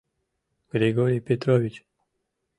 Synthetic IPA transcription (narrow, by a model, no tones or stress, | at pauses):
ɡ̥ɾeɡoɾijpet̪ɾovit͡ʃ